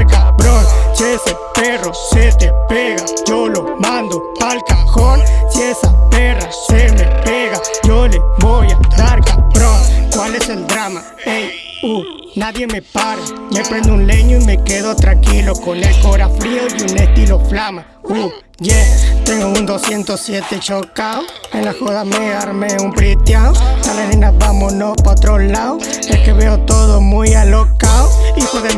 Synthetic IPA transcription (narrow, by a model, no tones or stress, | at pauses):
ɾkabɾont͡ʃese | peroset̪epeɣad͡ʒolomand̪opalkaxoɾsesaperasemepeɣad͡ʒoleβojad̪aɾkabɾonkwaleseld̪ɾama | ej | u | naðjemepaɾed͡ʒepɾend̪ounleɲoimekeðot̪ɾaŋkilokonekoɾafɾiojunest̪iloflama | u | d͡ʒet̪eŋɡound̪osjent̪osjet̪et͡ʃokaoenlahoðameaɾmeumpɾit̪jaoalenenabamonopaot̪ɾolaoekeβeot̪oðomujalokaoipweðe